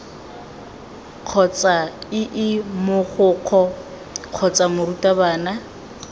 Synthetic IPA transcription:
q͡χʰɔt͡sʼaɪʔɪmʊχʊːq͡χʰɔ | q͡χʰɔt͡sʼamʊrutʼabaːna

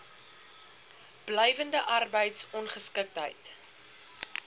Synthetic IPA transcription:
b̥lɛjvəndəʔɐrbəjtsɔnχəskək̚tɦə̰jt

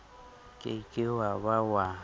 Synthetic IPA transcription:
kʼɪkʼɪwaβawa

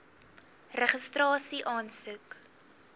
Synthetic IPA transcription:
rəχəstrɑːsiʔɑːnsʉk

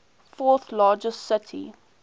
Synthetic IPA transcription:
fɔːt̪laːd͡ʒəstsɪtʰḭ

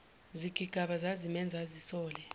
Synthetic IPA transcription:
ziɡ̥ʱʼiɡ̥ʱaɓazazimɛnd͡zʱazisɔːlɛ

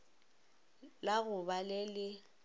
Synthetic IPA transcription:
laɣʊbalɪlɪ

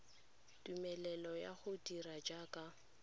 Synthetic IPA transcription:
tumɛlɛlɔja̰χʊdiɾad͡ʒakʼa

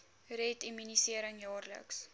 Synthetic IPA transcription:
rɛtimynisiəɾəŋjɑːrlə̰ks

